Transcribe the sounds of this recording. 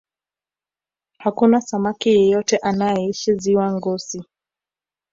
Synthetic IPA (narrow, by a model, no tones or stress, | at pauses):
hakunasamakijɛjɔtɛʔanajɛiʃiziwaŋɡɔsi